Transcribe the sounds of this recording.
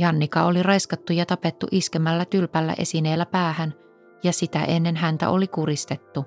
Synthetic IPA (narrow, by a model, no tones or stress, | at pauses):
jɑnːikɑolirɑjskɑt̪ːujɑt̪ɑpet̪ːṵʔiskemælːæt̪ylpælːæ̰ʔe̞̰sine̞ːlːæpæːhæn | jɑsit̪æ̰ʔe̞nːe̞nɦænt̪æ̰ʔo̞likuɾist̪e̞t̪ːu